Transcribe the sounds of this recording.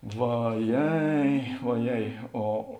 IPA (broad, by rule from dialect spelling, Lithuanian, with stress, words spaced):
ʋɐˈjɛɪ oːˈjɛɪ oː